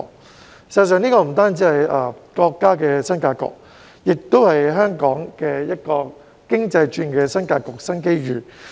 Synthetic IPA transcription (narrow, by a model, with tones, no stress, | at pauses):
sɐ˨s̬œː˨ŋniː˥kɔː˧˩m̩˨˩t̪aː˥nt͡siː˨˥hɐ˨jɐ˨˧kɔː˧kːaː˥kɛː˧sɐ˥nkaː˧kɔ̰ː˧k̚ | jɪ˨k̚t̪o˥whɐ˨jɦœː˥ŋkɔː˨˥ŋkɛː˧jɐ˥t̚kɔː˧ | kɪ˥ŋt͡sɐ˧jt͡ʃyː˧nkɛː˧sɐ˥nkaː˧kɔː˧k̚sɐ˥nke˥jɥyː˨˩